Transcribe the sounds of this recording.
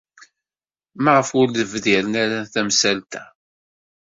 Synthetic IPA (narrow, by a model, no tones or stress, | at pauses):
mæʁəfʊɾləvðɪɾənæɾæθæmsælt̪æ